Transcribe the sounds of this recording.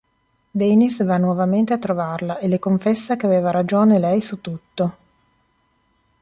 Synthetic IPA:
d̪ɛnisvanːwɔvament̪eat̪ːɾovarlaʔelekoɱfesːakeaveːvaɾad͡ʒoːnelɛjsut̪ːut̪ːo

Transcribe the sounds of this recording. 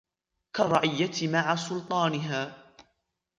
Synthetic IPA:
karˤːɑʔɪjːat̪maʕasʊlt̪ˤɑːnɪɦaː

